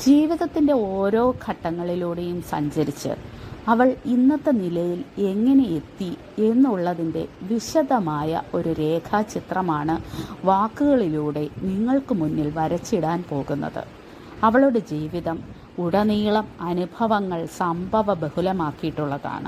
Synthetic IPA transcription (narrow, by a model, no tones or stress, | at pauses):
d͡ʑiːʋiðɐt̪ːinde̞o̞ːɾo̞ːkʰɐʈːɐŋːɐɭiluːɽe̞jumsɐ̰ɲd͡ʑɐɾit͡ɕːɨ̰ɐʋɐɭinːɐt̪ːɐnilɐjile̞ŋːɐne̞je̞t̪ːi | e̞nːuɭːɐðinde̞̰ʋiɕɐd̪ɐmaːjɐ̰ʔo̞ɾuɾe̞ːkʰat͡ɕit̪rɐmaːɳɨʋaːkːɨɣɐɭiluːɽe̞niŋːɐɭkɨmunːilʋɐɾɐt͡ɕːiɽaːnpo̞ːɣunːɐ̰ðɨ̰ | ɐʋɐɭuɽed͡ʑiːʋiðɐm | uɽɐniːɭɐmɐnubʱɐʋɐŋːɐɭsɐmbʱɐʋɐbehulɐmaːkːijiʈːuɭːɐka̰ːɳɐ̰